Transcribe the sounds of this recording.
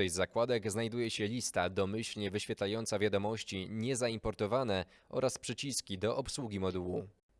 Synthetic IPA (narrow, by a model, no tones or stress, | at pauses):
ɛjzakwad̪ɛɡznajd̪ujɛɕɛlʲist̪ad̪ɔmɘɕlɲɛvɘɕfʲjɛt̪lajɔnt̪savʲjad̪ɔmɔɕt͡ɕiɲɛzaimpɔɾt̪ɔvanɛ | ʔɔ̰ɾaspʂɘt͡ɕiskʲid̪ɔʔɔpswuɡʲimɔd̪uwu